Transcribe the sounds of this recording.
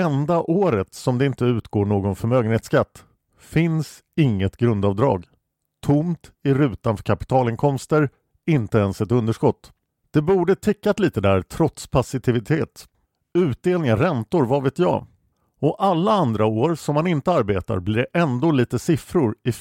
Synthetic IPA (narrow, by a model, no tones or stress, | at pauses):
ɛnd̪aʔoːɾət̪sɔmd̪ɛɪnt̪əʉ̟ːt̪ɡoːɳoːɡɔnfœɾmøːɡənheːt̪skat̪ː | fɪns | ɪŋːət̪ɡɾɵnd̪ɑːvd̪ɾɑ̰ːɡ | t̪ʰʊmt̪ɪɾʉ̟ːt̪anfœɾkʰapɪ̥t̪ʰɑːlɪŋkʰɔmst̪əɾ | ɪnt̪əɛnsɛt̪ɵnd̪əʂkɔt̪ː | d̪̥ɛbuːɖət̪ʰɪkːat̪liːt̪əd̪æːɾt̪ʰɾɔt̪spʰasɪt̪ʰɪvɪt̪ʰeːt̪ | ʉ̟ːt̪̚d̪eːlnɪŋaɾɛnt̪ʊɾvaveːt̪jɑ̰ː | ɔʔalːaand̪ɾaoːɾsɔmːanɪnt̪əaɾbeːt̪a̰ɾblɪɖɛʔɛnd̪oːliːt̪əsɪfɾʊɾɪ